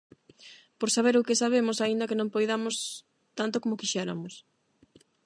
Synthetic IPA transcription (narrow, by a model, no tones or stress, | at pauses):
poɾsaβ̞eɾʊkɪsaβ̞emʊsaind̪ɐkenõŋpojðamos | t̪ant̪okomokiʃɛɾa̰mʊs